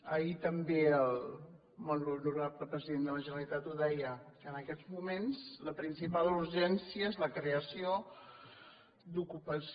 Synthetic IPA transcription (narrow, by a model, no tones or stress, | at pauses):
əit̪əmbeəlˠ | monunuɾabləpɾəziðend̪ələʒənəlit̪at̪uðɛjəkəːnəkɛzmumensləpɾinsipaluɾʒɛnsiəezləkɾeəsio | d̪ukupəs